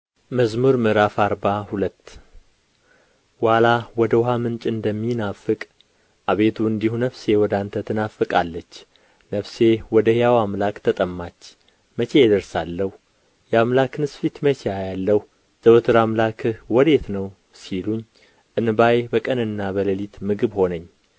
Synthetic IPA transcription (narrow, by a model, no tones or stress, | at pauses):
məzmuɾmɨɾafaɾbahulət̪ː | walawɔd̪əwhamɨnt͡ʃʼɨnd̪əmːinafːɨkʼ | ʔaβe̞t̪ʰuɨnd̪ihunəfse̞wɔd̪ant̪ʰət̪ʰɨnafɨkʼalːət͡ʃː | nəfsewɔd̪əhjawamlakt̪ʰət̪ʼəmːat͡ʃː | mət͡ʃe̞jɛd̪əɾsalːəhu | jɛamlakɨnɨsfit̪mət͡ʃʰejajalːəh | z̥əwɨt̪ʰɨɾamlakʰɨhwɔd̪e̞t̪nəw | siluɲː | ʔɨnbajbəkʼənɨnːabələlit̪mɨɡɨβho̞nəɲː